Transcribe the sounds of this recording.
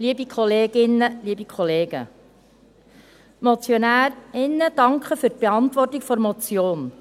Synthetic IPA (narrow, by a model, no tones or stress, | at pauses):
liːəbikχɔleːɡɪnːəliːbikʰɔleːɡ̥ə | mɔt͡sjɔnæːɾɪnːəd̥ɑŋkχəfyɾt̚b̥eɑntʋɔrtikfɔɾmɔt͡sjoːn